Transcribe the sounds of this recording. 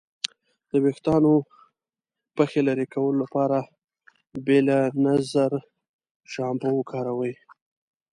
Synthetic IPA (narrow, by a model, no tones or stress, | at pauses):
d̪̥əwext̪ɑno | pəxelaɾikawəlolapɑɾa | belanazaɾ | ʃɑmbawəkʰɑɾawəj